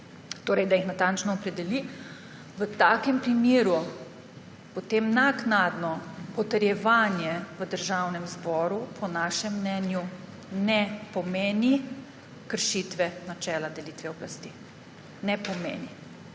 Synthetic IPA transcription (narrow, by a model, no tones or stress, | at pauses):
t̪oːɾɛjd̪ajixnat̪ant͡ʃnɔːpɾɛd̪ɛli | ʋət̪aːkɛmpɾimjeːɾu | pot̪eːmnaknaːd̪nɔpɔt̪əɾjɛʋanjɛʋəd̪əɾʒawnɛmzbɔːɾupʰɔnaːʃɛmːnɛnju | nɛpɔmeːni | kəɾʃit̪ʋɛnat͡ʃɛːlad̪ɛlit̪ʋɛɔblast̪i | nɛpɔmḛːni